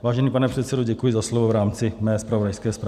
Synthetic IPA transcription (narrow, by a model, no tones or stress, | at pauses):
vaːʒɛniːpanɛpr̥ɛt̪sɛdoɟɛkujɪzaslovovɾaːmt͡sɪmɛːspɾavodajskɛːspɾ